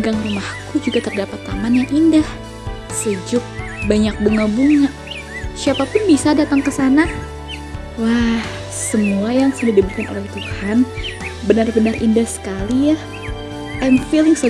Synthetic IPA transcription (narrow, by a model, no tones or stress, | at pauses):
ɡaŋrumahkud͡ʒuɡat̪ərdapat̪ːamanjaŋʔindah | səd͡ʒʊk̚baɲak̚bəŋəbuŋaʔ | siapapʊnbisadat̪aŋkəsana | wah | səmuajaŋsadidəbut̪̚kanʔo̰lɛht̪uhanbənarbənərʔindahsə̥kalijah | ʔɛnfilɪŋsə